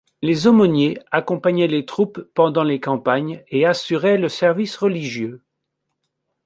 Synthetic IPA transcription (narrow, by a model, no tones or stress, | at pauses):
lezɔmɔnjeakɔ̃paɲɛlet̪χupːɑ̃d̪ɑ̃lekɑ̃paɲeasyʁɛləsɛʁvisʁəliʒjø